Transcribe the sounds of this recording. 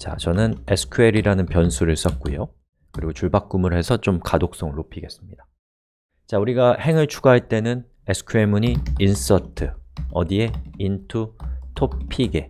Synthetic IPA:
t͡ɕa̰t͡ɕʌnɯnesʰɯ̥kʰue̞ɾiɾanɯnpjʌnsʰuɾɯɭs͈ʌt̚k͈ujo | kɯɾiɡot͡ɕuɭbak̚k͈umɯɭhe̞sʰʌt͡ɕomkadok̚s͈ʌŋɯɭːopʰiɡe̞s͈ɯmɲid̥ḁ | t͡ɕauɾiɡahe̞ŋɯɭt͡ɕʰuɡaɦaɭt͈e̞nɯn | esʰɯ̥kʰue̞muɲiːns͈ʌtʰɯʌdie̞intʰutʰopʰiɡe̞

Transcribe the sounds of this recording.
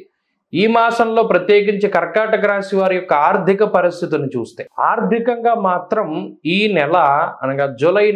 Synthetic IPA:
iːmaːsɐmlo̞ːpɾɐt̪jeːɡiɲt͡ʃikɐɾkaːʈɐɡɾaːsiʋaːɾijɔkːɐaːɾd̪ʱikɐpɐɾist̪ʰit̪unut͡ʃuːst̪eːaːɾd̪ʱikɐŋɡaːmaːt̪ɾɐmiːnɛlɐɐ̰nɐɡad͡ʒolɐj

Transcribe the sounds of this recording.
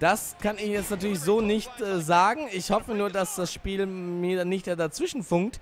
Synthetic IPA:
d̥as | kʰanɪçjɛt͡stnatʰyːɐlɪç̬zoːnɪçtʔɛzaːɡŋ̩ɪçhɔfənuːɐdasd̥asʃpiːlmiːɐdanɪçtd̥eːɐdat͡sv̥ɪʃn̩fʊŋkt

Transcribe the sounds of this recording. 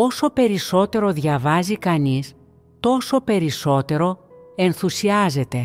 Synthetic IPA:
o̞so̞pe̞ɾiso̞t̪e̞ɾo̞ðʝɐvɐzikɐnis | t̪o̞so̞pe̞ɾiso̞t̪e̞ɾo̞e̞nθusiɐze̞t̪e̞

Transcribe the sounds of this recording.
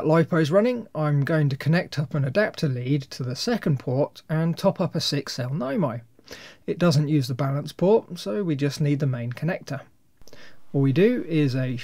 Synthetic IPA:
əʔlaɪpʰəʊzɹʌnɪ̃ŋãɪ̃mɡoʊɪ̃ŋtɨkʰənɛk̚tʰʌpə̃nədap̚tʰəlid̚tʰəðəsɛkə̃npʰɔɹtə̃ntʰɒpʌpəsɪksɛlˠnãɪ̃maɪ | ɪt̚d̥ʌzə̃nʔjʉːzðəbalə̃nspʰɔɹt̚soʊwid͡ʒʌsniːd̪̚ðəmẽɪ̃nkʰənɛk̚tʰə˞ | ɔlˠwidɨɪzɨ

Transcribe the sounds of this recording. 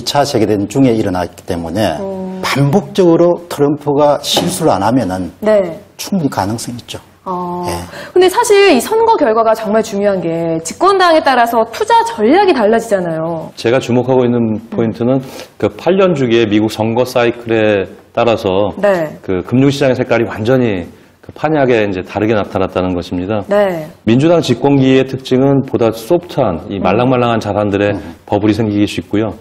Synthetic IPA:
it͡ɕʰat͡ɕe̞ɡedwent͡ɕuŋe̞iɾʌna̰k͈i̥t͈e̞mune̞̰pambok̚t͡ɕ͈ʌɡɯɾotʰɯɾʌmpʰuɡaɕʰinsʰuɾa̰namjʌnɯnne̞t͡ɕʰuŋbuɲikanɯŋs͈ʌŋit̚t͡ɕ͈o | ʌjekɯnde̞sʰaɕʰiɾisʰʌnɡʌkjʌɭɡwaɡat͡ɕʌŋmaɭt͡ɕuŋjoɦanɡe̞t͡ɕik͈wʌndaŋe̞t͈aɾasʰʌtʰud͡ʑat͡ɕʌʎːaɡitaɭːad͡ʑid͡ʑanajot͡ɕe̞ɡat͡ɕumokʰaɡoinːɯnpʰointʰɯnɯnkɯpʰaʎːʌnd͡ʑuɡie̞miɡuk̚t͡ɕʌŋɡʌs͈aikʰɯɾe̞t͈aɾasʰʌnekɯkɯmɲuŋɕʰid͡ʑaŋesʰek͈aɾiwand͡ʑʌɲi | kɯpʰaɲeɦaɡe̞ind͡ʑe̞taɾɯɡe̞natʰanat̚t͈anɯnɡʌɕʰimɲidane̞mind͡ʑudaŋt͡ɕik͈wʌnɡietʰɯk̚t͡ɕ͈iŋɯnpodas͈op̚tʰanimaɭːaŋmaɭːaŋant͡ɕadandɯɾe̞pʌbuɾisʰe̞ŋɡiɡis͈uik̚k͈ujo

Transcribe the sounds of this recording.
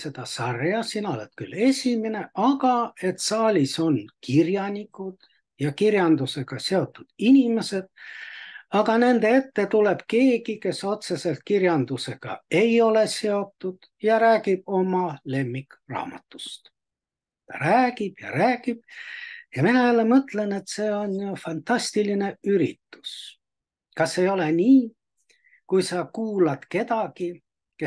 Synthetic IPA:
se̞d̪ɑsɑrjɑsinɑolet̪kylːe̞sʲimine̞ʔɑɡ̥ɑe̞t̪sɑːlʲiso̞nkirjɑnʲikːˑud̪̥ | jɑkirjɑnd̪use̞ɡ̥ɑse̞o̞t̪ːˑud̪̥inʲime̞se̞d̪̥ | ɑɡɑne̞nd̪e̞e̞t̪ːe̞t̪ule̞b̥ke̞ːɡike̞so̞t̪se̞se̞lt̪̚kirjɑnd̪use̞ɡ̥ɑ̰e̞jo̞le̞se̞o̞t̪ːud̪̥ | jɑɾæːɡib̥̚o̞mɑle̞mːikrɑ̰ːmɑ̰t̪ːˑu̥st̪ | t̪ɑ̰ɾæːɡib̥jɑ̰ɾæːɡ̥ib̥̚jɑminɑælːemɤt̪ˑle̞ne̞t̪se̞ːo̞nfɑnt̪ɑst̪iline̞yɾḭt̪ːu̥s | kɑsːe̞jo̞le̞niː | kujsɑkuːlɑd̪̥ke̞t̪ɑɡ̥i | ke

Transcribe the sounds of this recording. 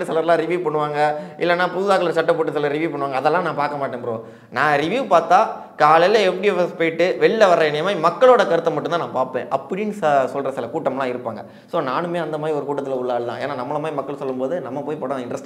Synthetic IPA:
ɯsɛlɐɾlãːɾɪʋiuːʋpɐɳːɯʋaːŋɡɐʔɪlːɛnːaːpuðaːkɐɭlɐɾsɐʈːɐpːoːʈːɯsɐlɐɾɾɪʋjuːpɐɳːɯʋaːŋɡɐːðɛlːãːnãːpaːɾkɐmaːʈːẽːnpɐɾõ̰ː | nãːɾɪʋjuːʋpaːɾt̪ãː | kaːɭɐlɐɛfɽiɛfɛspoːjɪʈːɯʋɛɭɪlɐʋɐɾɾɐɛnɛjɐmaːimɐkːɐɭoːɽɐkɐɾɯt̪ːɐmɐʈːɯnt̪ãːnãːpaːɾpḛ̃ːʔɐpːɐɽɪnːɯssɔlɾɐsɪlɐkuːʈːɐmlãːɪɾɯpːaːŋɡɐ | soːnaːnɯmeːɐnd̪ɐmaːd̪ɾiɔɾɯkuːʈːɐt̪ːɪlɐʊɭːaːlɯt̪ãːḛːnaːnɐmːɐɭɐmaːd̪ɾimɐkːɐɭsɔlːɯmpoːðɯnɐmːɐpoːjpoːɽɐ̃nɪnɾɐsʈ

